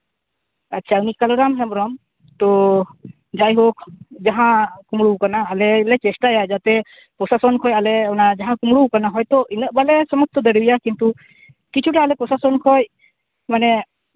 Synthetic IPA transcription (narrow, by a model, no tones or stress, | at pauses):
atːt͡ʃʰaunic̚kalɔɾamɦɛmɾɔm | t̪ɔ | d͡ʒajɦok̚ʰd͡ʒaɦãkumɽuwkanaːlɛlɛt͡ʃɛsʈajad͡ʒat̪ɛ | pɔsasɔnkʰɔjalɛɔnad͡ʒaɦãkumɽuwkanaɦɔjt̪ɔʔinəʔ̚balɛsɔmɔst̪ʰɔd̪əɾwijakint̪u | kit͡ʃʰuʈaalɛpɾɔsasɔnkʰɔj | manɛ